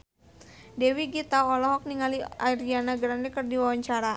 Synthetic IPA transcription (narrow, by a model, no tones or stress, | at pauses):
dɛwiɡit̪aɔlɔɦɔk̚niŋaliaiɾianaɡɾandɛkɨrdiwawaɲt͡ʃaɾa